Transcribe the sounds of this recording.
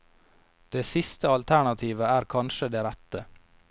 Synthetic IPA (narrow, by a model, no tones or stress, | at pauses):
d̪̥eːsɪst̪əɑlt̪ʰæɳɑt̪ʰiːʋəæːɾkʰɑnʃəd̪eːɾæt̪ə